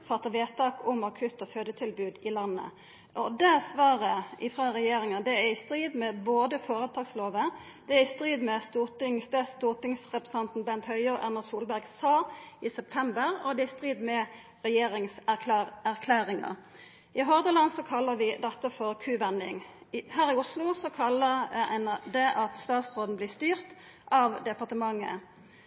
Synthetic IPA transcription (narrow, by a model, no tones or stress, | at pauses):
fɑt̪ːəʋeːt̪ʰɑːkʰʊmɑkʰʉt̪ːɔføːd̪ət̪ʰɪlbʉːd̪ɪlɑnːə̰ | ʔɔd̪ɛsʋɑːʁəʔɪfʁɑʁɛjeːɾɪŋɑd̪ɛæɪst̪ɾiːd̪mɛboːd̪əfoːɾət̪ʰɑːɡsloːʋə | d̪̥ɛæɪst̪ʁiːd̪mɛst̪uːʁt̪ɪŋst̪əst̪uːʁt̪ɪŋsʁɛpʁɛsɛnt̪n̩bɛnt̪hœʏəʁʔæʁnɑsuːlbæʁɡsɑːɪsɛp̚t̪ʰɛmbəʁɔd̪ɛɪst̪ʁiːd̪mɛ | ʁɛjeːʁɪŋsææʁkʰlæːʁɪŋɑ̰ | ʔɪɦɔʁd̪əlɑnsɔkʰɑlːəʋɪd̪ɑt̪ːəfɔʁkʰʉːʋɛnd̪ɪ̰ŋhæːʁɪʊslʊsɔkʰɑlːəʁɛnd̪ɛʔɑt̪st̪ɑːt̪sʁoːd̪n̩blɪːst̪yːʁt̪ | ʔɑːʋd̪ɛpɑʁt̪əmɑŋːə̰